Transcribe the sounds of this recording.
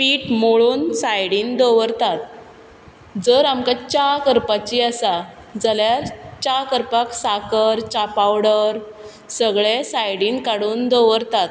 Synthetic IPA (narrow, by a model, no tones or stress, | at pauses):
piːʈmoɭuːnsajɽiːnd̪oʋəɾt̪at̪̚ | d͡zəɾamkat͡ɕakəɾpat͡ɕiəsa | d͡zaljaɾt͡ɕakəɾpaksakəɾt͡ɕapawɽəɾ | səɡɭesajɽiːnkaɽuːnd̪oʋəɾt̪at̪